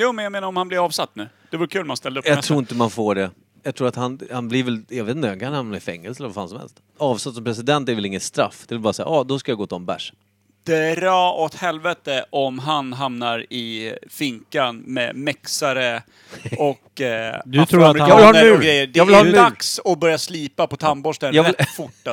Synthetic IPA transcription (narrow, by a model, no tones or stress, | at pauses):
juːmɛnjameːnaɾɔmhanblɪɾɑːvsat̪ːnʉ̟ː | d̪ɛvʊɾəkʰʉ̟ːlmanst̪ɛld̪əpjɑɡ̪ʰɾuːɪnt̪əmanfoːɖɛ | jɑɡt̪ʰɾuːɾat̪hanhanblɪɾvɛljɑɡveːt̪nt̪əhaŋkʰanhamnaɪfɛŋːə̰lsəvaɾfaːnsɔmhɛ̰lst̪ | ɑːvsat̪ːsɔmpʰɾɛsɪd̪ɛnt̪ːɛɾvɛlɪŋːət̪st̪ɾa̰fːd̪ɛvɪlbɑːɾasɛjːaʔɑːd̪ɔskajaɡoːt̪ɪɔmbæ̰ʂ | d̪̥ɛæɾɑːɔt̪hɛlvɛt̪əʔɔmɦanɦamnaɾɪfɪŋkanmɛ̰mɛksaɾə | ɔkd̪ɵt̪ʰɾuːɾɾvɪlhɑəʉɡɾɛjːədɛɪld̪aksɔbœɾjasliːpapɔt̪ʰambɔʂənjɑɾɛfʊʈːa